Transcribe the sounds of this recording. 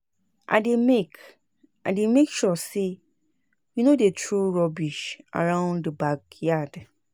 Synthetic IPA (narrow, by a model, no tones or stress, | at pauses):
ʔa̰demek | ademekʃɔse | junodetʰɹuɹɔbiʃa̰ɹãʊ̃ndəbakjad